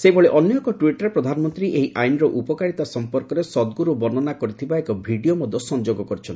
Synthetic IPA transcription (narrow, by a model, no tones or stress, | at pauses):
seibɔɭeʔɔnjɔkɔʈwiʈɔɾepɾɔd̪ʱanɔmɔnt̪ɾiʔeɦiʔajnɾɔʔupɔkaɽit̪asɔmpɔɾkɔɾesɔd̪ɡuɾubɔnɔnakɔɾit̪ʰibaekɔbʱiɖiomɔd̪ʱːɔsɔnd͡ʒoɡɔkɔɾit͡ʃʰɔni